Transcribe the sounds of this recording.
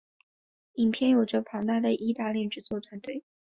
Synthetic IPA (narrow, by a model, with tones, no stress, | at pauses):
i˨˩ŋpʰjɛ˥˩njo˨˩ʊʈ͡ʂɤ˥˩pʰɑ˧˥ŋt̪a˥˩d̪ə˩ʔi˥t̪a˥˧ljɛ˥˩ʈ͡ʂɻ̩˧˥t͡swɔ˥˩t̪ʰwa˧˥nt̪we˥˩ɪ